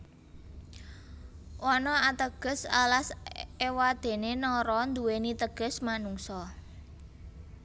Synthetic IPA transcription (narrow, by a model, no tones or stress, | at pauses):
ʔɔnɔat̪əɡ̥ə̤sa̰lasewad̪̥e̤nenɔɾɔnd̪uwenit̪əɡ̥ə̤smanuŋsɔ